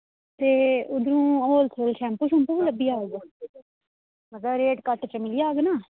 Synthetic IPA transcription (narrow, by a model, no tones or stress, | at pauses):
t̪eːʊd̪ɾũːoːlt̪ʰolʃʰɛ̃ːmpuʃũmpuləbːiːaːɡ | məɡ̪aɾeːʈkəʈt͡ʃəmɪliːaːɡnaː